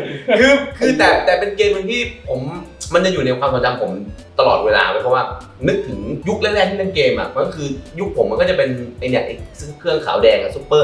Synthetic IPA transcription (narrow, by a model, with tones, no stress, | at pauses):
kʰɯː˧kʰɯː˧t̪ɛː˨˩t̪ɛː˨˩pe˧nkeː˧mɯ˧nt̪ʰiː˥˩pʰo˩˦mma˧nt͡ɕa˨˩juː˨˩na˧jkʰwaː˧msʰa˨˩˦t͡ɕa˧mpʰo˩˦m | t̪a˧lɔː˨˩weː˧la̰ː˧laː˧˦˩pʰɔ˦˥waː˥˩ | nɯ˦˥k̚t̪ʰɯ˩˦ŋju˦˥k̚lɛ˥˩lɛ˥˩t̪ʰiː˥˩a˧˥˩nkeː˧mʔa̰˨˩ʔma˧˥kʰɯː˧ju˦˥k̚pʰo˩˦ma˧nkɔː˥˩t͡ɕa˨˩pe˧nʔa˧jnɛː˨˩k̚ʔa˧˩sɯ˥˩ŋkʰɯ˥˩ənkʰa̰ː˩˦wdɛː˧ŋʔa˨˩su˦˥pːɤː˥˩